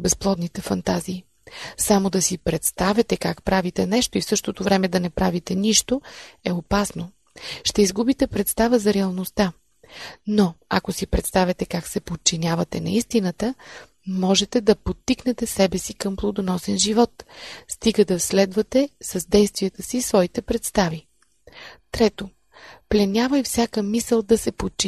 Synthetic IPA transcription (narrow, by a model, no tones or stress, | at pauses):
bɛsplˠɔd̪nit̪ɛfɐnt̪aziː | samod̪ɐsipɾɛt̪st̪avʲjɐt̪ɛkakpɾavit̪ɛnɛʃt̪oifsɤʃt̪ot̪ovɾɛmɛd̪ɐnɛpɾavit̪ɛniʃt̪oɛopasno | ʃt̪ɛizɡubit̪ɛpɾɛt̪st̪avəzɐɾɛɐlˠnost̪a | noɐ̰kosipɾɛt̪st̪avʲɐt̪ɛkaksɛpot̚t͡ʃinʲavɐt̪ɛnɐ̰ist̪inət̪ə | mɔʒɛt̪ɛd̪ɐpot̪ːiknɛt̪ɛsɛbɛsikəmplˠod̪onɔsɛnʒivɔt̪st̪iɡəd̪ɐslɛd̪vɐt̪ɛsɐzd̪ɛjst̪viɛt̪əsisvɔit̪ɛpɾɛt̪st̪avi | t̪ɾɛt̪o | plɛnʲavəjfsʲjakəmisəlˠd̪ɐsɛpot̪̚t͡ʃi